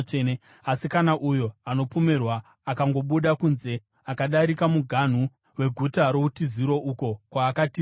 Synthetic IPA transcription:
asikanaʔujo̞ano̞pomerwaː | kaŋɡo̞ɓuɗakunze̞ | akaɗaɾikamuɡʱan̤u | we̞ɡʱutaɾo̞utiziɾo̞ʔuko̞kwaːkati

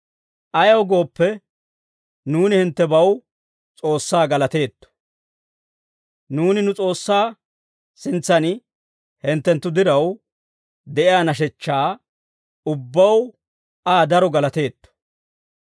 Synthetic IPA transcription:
ʔɐjɐwɡo̞ːpːɛ | nuːnɪhɪnt̪ːɛbɐw | t͡sʼo̞ːsːaːɡɐlɐt̪e̞ːt̪ːɔ̥ | nuːnɪnʊt͡sʼo̞ːsːaː | sɪnt͡sːɐnɪ | hɪnt̪ːɛnt̪ːʊd̪ɪɾɐw | d̪ɛʔɪjaːnɐʃ̬ɛt͡ʃːaː | ʊbːɐw | aːd̪ɐɾɔɡɐlɐt̪e̞ːt̪ːɔ̥

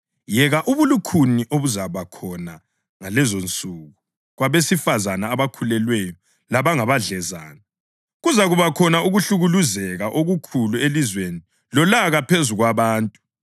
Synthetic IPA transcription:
jɛɣaʔuβulukʰuniʔoβuzaβakʰɔna | ŋalɛzont͡sʼuɣu | ɣwaβesifazanaːβakʰulɛlwɛjɔ | laβaŋaβaɮɛza̰ːna | ɣuzaɣuβakʰɔnauɣuɬuɣuluzɛɣaʔoɣukʰuluelizweni | lɔlaɣapʰezuɣwaβaːntʼu̥

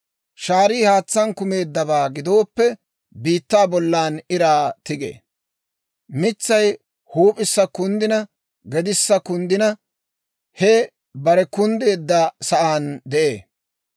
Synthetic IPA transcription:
ʃaːɾiːhaːt͡sːɐnkʊme̞ːd̪ːɐbaːɡɪd̪o̞ːpːɛ | biːt̪ːaːbɔlːaːnɪɾaːt̪ɪɡḛː | mɪt͡sːɐj | huːpʼɪsːɐkʊnd̪ɪnɐ | ɡɛd̪ɪsːɐkʊnd̪ɪnɐ | hɛ | bɐɾɛkʊnd̪e̞ːd̪ːɐsɐʔaːnd̪ɛʔḛː

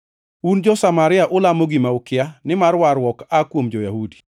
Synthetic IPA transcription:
und͡ʒɔsamaɾɪaʔʊlamoɡimaokɪanɪmarwaɾwɔkakwomd͡ʒɔjahudi̥

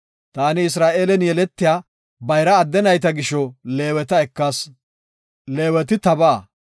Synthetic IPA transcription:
t̪aːnɪɪs̬ɾaːʔe̞ːlɛnjɛlɛt̪ːɪjaː | bɐjɾɐːd̪ːɛnɐjt̪ɐɡɪʃːɔleːwɛt̪ɐɛkːɐs | leːwɛt̪̬ɪt̪ɐbaː

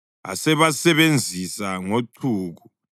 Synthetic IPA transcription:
a̰sɛβasɛβend͡zʱisaŋotʰuːɣu

